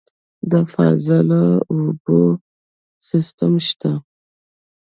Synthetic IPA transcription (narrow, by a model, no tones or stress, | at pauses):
d̪əfa̰zəlaubo | sɪst̪amʃt̪a